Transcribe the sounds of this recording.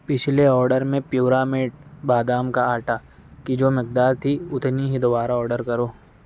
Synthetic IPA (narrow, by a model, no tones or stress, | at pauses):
pɪt͡ʃʰleɔːɾɖəɾmẽpjuːɾaːmeːʈ̚baːd̪aːmkaaːʈa | kid͡ʒoːmɪk̚d̪aːɾt̪ʰiʊt̪niɦid̪ɔʋaːɾaɔːɾɖəɾkɐɾoː